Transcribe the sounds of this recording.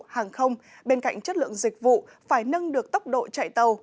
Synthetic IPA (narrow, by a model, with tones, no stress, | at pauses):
haː˨˩ŋxə˧wŋ͡m | ɓe˧nka̰˧˨jŋ̟t͡ɕə˦˥t̚lɨ̰˧˨əŋzï˨˩k̟̚vṵ˧˨ | faː˧˩jnə˧ŋɗɨ˨˩ək̚t̪ə˦˥wk͡p̚ɗo̰˧˨t͡ɕa̰˧˨jt̪ə˨˩w